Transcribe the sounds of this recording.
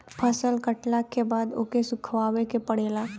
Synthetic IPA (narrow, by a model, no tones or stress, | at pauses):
pʰəsəlkəʈlakebaːd̪o̰ːkesʊkʰʋaːwekepəɽeːlaː